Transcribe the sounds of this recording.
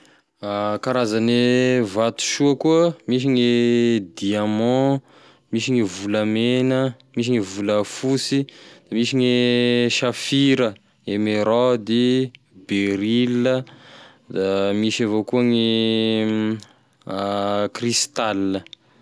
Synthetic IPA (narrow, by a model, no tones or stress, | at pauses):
akaɾazanevat̪u̥ʃuəkuəmiʃ̬iŋed̪iamɑ̃ | miʃiŋivuləmenə | miʃ̬iŋivuləfusid̪̥amiʃiɲeʃafiɾə | emeɾɔd̪i | beɾilːə | d̪amiʃavokuəŋi | krist̪alːə